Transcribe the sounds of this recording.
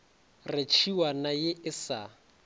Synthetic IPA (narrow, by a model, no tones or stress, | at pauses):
rɪt͡ʃʰiwanajɪɪsa